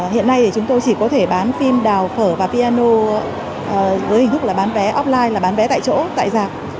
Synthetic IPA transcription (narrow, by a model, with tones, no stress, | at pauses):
hḭ˧˨ənːa˧jɗ̪e˧˩t͡ɕʊ˨˦ŋ͡mt̪o˧jt͡ɕi˧˩kɔ˨˦t̪ʰe˧˩ɓaː˨˦nfi˧mɗaː˨˩wfəː˧˩vaː˨˩vi˧aː˧no˧ | ʔvəː˨˦hï˨˩t̪ʰk͡p̚laː˨˩ɓaː˨˦nvɛ˨˦ʔɔ˦˥p̚laː˧jlaː˨˩ɓaː˨˦nvɛ˨˦t̪a̰ː˧˨t͡ɕo̰˧˥t̪a̰ː˧˨jzaː˨˩k̚